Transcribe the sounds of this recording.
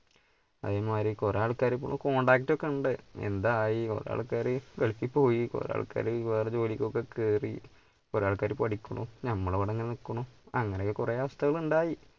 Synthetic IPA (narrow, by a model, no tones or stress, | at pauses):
ɐ̰ðeːmaːɾikoraːɭkːaːɾɨp̬ːo̰ɳuko̞ːɳɖaːkitːokːeuɳɖɨḛnd̪aːjiko̰ɾa̰ːɭukːaːɾɨʋeɭikʲːipːo̞ːjiko̰ɾ̰a̰ːɭkːa̰ːɾɨʋeːrɐt͡ɕo̞ːlikʲːokːekeːrḭ | koɾaːɭkːaːɾɨpɐɽikʲːuɳunɐmːɐɭʋɐɽɐŋːinikːɐɳuɐŋːɐnekːɨkureːɐʋɐst̪ʰɐɣɐɭuɳɖaːji